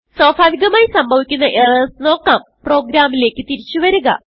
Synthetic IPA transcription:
sɐːbʱaːʋiɣɐmaːjisɐmbʱɐʋikʲːunːɐʔerɐsno̞ːkːaːm | pro̞ːɡɾaːmile̞ːkʲːɨt̪iɾit͡ɕːuʋɐɾuɣɐ̰

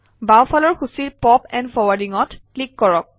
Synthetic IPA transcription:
bawpʰalɔɹxusiɹpɔpɛ̃ndpʰɔwadiŋɔtklikːɔɹɔk̚

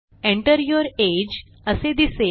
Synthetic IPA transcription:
ẽɳʈəɾjoɾed͡ʑ | əsed̪ise

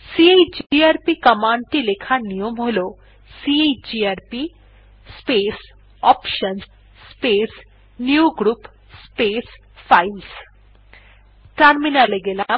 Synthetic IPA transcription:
sieid͡ʒaːɾpikɐmaːɳʈilekʰanijomɦolo | sied͡ʒiaːɾpi | speːs | ɔːpʃɐns | speːs | njuɡɾuːp | speːs | pʰails | ʈɐɾminaleɡela

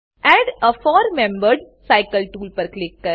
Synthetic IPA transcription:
ʔæːɖəfɔːɾmẽmbəɾɖ | saɪkəlʈuːlpəɾklɪkːə

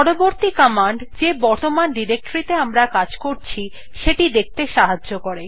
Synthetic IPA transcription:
ɔɾoboɾt̪ikɔmaɳɖd͡ʑebɔɾt̪omanɖiɾek̚ʈɾit̪eamɾakad͡ʑkoɾt͡ɕʰi | ʃeʈid̪ek̚t̪eʃaɦad͡ʑʑokoɾe

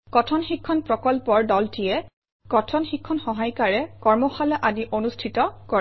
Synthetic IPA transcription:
kɔtʰɔnxikʰːɔnpɹɔkɔlpɔɹdɔltijɛ | kɔtʰɔnxikʰːɔnxɔɦajkaɹɛkɔɹmɔxalɔʔadiʔonustʰitɔkɔɹ

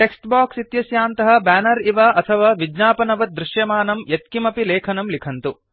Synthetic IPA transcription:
ʈeksʈbaːksit̪jɐsjaːnt̪ɐɦɐbæːnɐɾiʋaʔɐt̪ʰɐʋaːʋid͡ʒnaːpɐnɐʋɐd̪ɾɪʃjɐmaːnɐmjet̪̚kimɐpilɛːkʰɐnɐmlikʰɐnt̪u

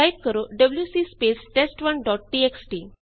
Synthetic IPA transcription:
ajb̚kəɾoɖəbljusiːspesʈesʈʋənɖɔʈ̚ʈieksʈi

